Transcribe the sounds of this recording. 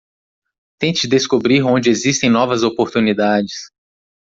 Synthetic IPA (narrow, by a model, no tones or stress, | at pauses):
t̪ẽt͡ʃɪd̪eskobɾiɾõnd͡ʒɪezist̪ẽj̃nɔvɐzopoɾt̪unid̪ad͡ʒɪs